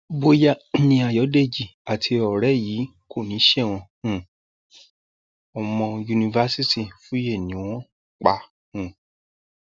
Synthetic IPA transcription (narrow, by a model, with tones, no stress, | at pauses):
bo˧ja˦nĩ˧a˧˨jɔ˨˦de˦˨d͡ʒi˨a˨tʰi˧ɔ˨ɾɛ˨˦jiː˨˦ | kʰo˦˨nĩ˨˦ʃɛ˦˨w̃ɔ̃˧hũ˨ | ɔ˨mɔ̃˧ju˧nĩ˧va˧si˦ti˦˨fũ˦je˦˨nĩ˨˦w̃ɔ̃˦ | k͡pa˨˧ | hũ˨